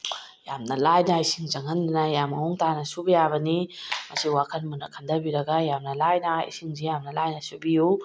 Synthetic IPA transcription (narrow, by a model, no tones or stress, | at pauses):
jamnɐlajnaisiŋzɐŋɐndunɐjamɐuŋtanɐsubɐjaβɐnimɐsiwakʰɐnmunɐkʰɐndɐbiɾɐɡajamnɐlajnɐḭsiŋzijamnɐlajnɐsubiju